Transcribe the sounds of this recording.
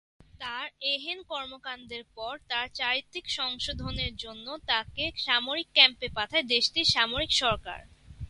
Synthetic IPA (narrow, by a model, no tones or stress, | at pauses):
t̪aɾeɦenkɔɾmokand̪eɾpɔɾt̪aɾt͡ɕaɾit̪ːikʃɔŋʃod̪ʱoneɾd͡ʑonːot̪akeʃamoɾikːɛmpepat̪ʰaed̪eʃʈiʃamoɾikʃɔɾka̰ɾ